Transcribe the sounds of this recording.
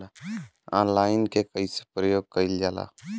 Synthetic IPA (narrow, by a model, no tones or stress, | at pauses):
ãːnlaːɪnkekəise̥pɾəjoːɡ̚kəild͡ʒaːla̰ː